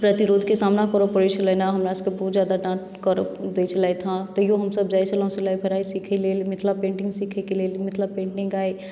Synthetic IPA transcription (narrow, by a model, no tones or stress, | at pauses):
pɾət̪ɪɾoːd̪ʱkesaːmnakɔːɾopoːɾeʃt͡ʃəlenaɦɐmɾaɪskebɔɦt̪zjaːd̪aɖãːʈ | kɔɾo̰pd̪et͡ʃʰəlaet̪ʰãt̪ɐjoɦɐmsɐbd͡ʒaːet͡ʃəlõselaːepʰɐɾaːisiːkʰeleːlmɪt̪ʰlapẽːɳʈɪ̃ŋɡsiːkʰekeleːlmɪt̪ʰlapẽːɳʈɪ̃ŋɡaːe